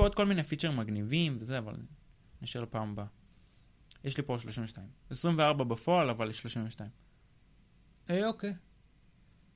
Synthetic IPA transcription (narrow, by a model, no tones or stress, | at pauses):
od̪̚ko̞lminejfit͡ʃeʁimaɡnivimvezeava̰l | niʃeʁlapaːmba | jeʃlipo̞ʃlo̞ʃiɱveʃtaimesʁimveaʁbabefo̞alavaljeʃlo̞ʃĩɱveʃtaĩm | eoke